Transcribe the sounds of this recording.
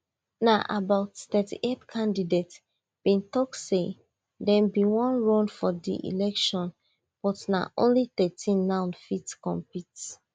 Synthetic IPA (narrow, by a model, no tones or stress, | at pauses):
naʔa̰baʊtθɛtḭʔetkʰãndidet | b̥ĩntɔk̚se | dɛ̃mbiwɔ̃nɹɔ̃nfɔdḭʔḭlɛkʃɔ̃n | b̥ɔtna̰ʔõ̰nliθɛtʰĩnːãʊ̃nfitkɔ̃mpits